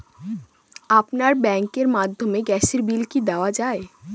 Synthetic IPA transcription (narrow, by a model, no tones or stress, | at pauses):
apnaɾbɛŋkeɾmad̪ʱːomeɡɛseɾbilkid̪aoad͡ʑae